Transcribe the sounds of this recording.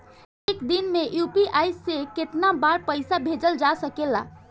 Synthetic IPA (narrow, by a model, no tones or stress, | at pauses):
ekd̪inmejupiʔajseket̪nabaɾpəɪsabʱed͡ʒəld͡ʒasəkela̰